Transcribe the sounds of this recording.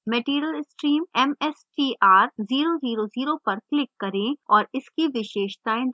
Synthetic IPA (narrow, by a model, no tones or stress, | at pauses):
meːʈiːɾəlɪsʈɾiːmɛmɛsʈiːʔaːɾziːɾoziːɾoziːɾopɐɾklɪkːɐɾẽɔːɾɪskiʋɪʃeːʃt̪aẽd̪